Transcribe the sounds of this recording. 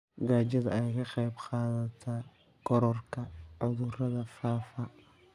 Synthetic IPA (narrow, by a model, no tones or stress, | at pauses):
ɡaːd͡ʒɐðɐɛjkɐqɛjbqɑːðɐt̪ʰa | kɔɾɔrkʰɐʕʊðʊrɐðɐfaːfɐ